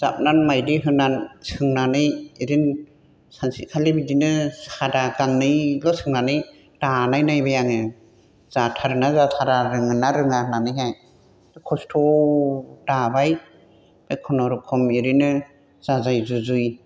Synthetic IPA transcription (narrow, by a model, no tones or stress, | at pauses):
zap̚nanmajdiɦɯnansɯŋnanɯjiɾin | sansḭkʰalebidinɯsadaɡanːɯjlɔsɯŋnanɯj | danajnajbajaŋɯ | z̥atʰaɾɯnazatʰaɾaɾɯŋɯnaɾɯŋahɯnanɯjɦaj | dɯkʰɔstʰɔ | dabaj | b̥ekʰɔnɔɾɔkʰɔmiɾinɯ | z̥azajzuzuj